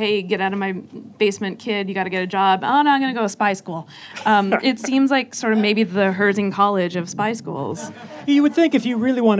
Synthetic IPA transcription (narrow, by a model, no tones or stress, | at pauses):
heɪɡɛɾaʊɾʌvmaɪb̥eɪsmɨ̃nkʰɪdjɨɡɑɾɨɡɛɾɨd͡ʒɑbo̰ʊnõʊãɪ̃mɡʌnɨɡoʊɾəspaɪskulˠ | ʌ̃mɪtsĩmzlaɪksɔɹɾʌvmeɪbiðɨɦɜ˞zɪ̃ŋkʰɑlˠɪd͡ʒʌv̥spaɪskṵlˠz̥jɨwɨd̪̚θɪ̃ŋkɨfjɨɹɪlˠiwɑ̃n